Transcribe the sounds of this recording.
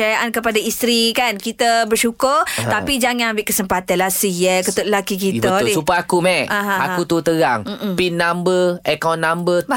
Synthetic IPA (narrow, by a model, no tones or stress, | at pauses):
ajaʔankəpadaist̪ɾikankit̪abərʃukʊrt̪apid͡ʒaŋanambɪʔkəsəmpat̪anlasijəkət̪uʔlakikit̪bədiupəakumɛʔaɦãakut̪ut̪əɡaŋ̩pinːambəɛkawnːambə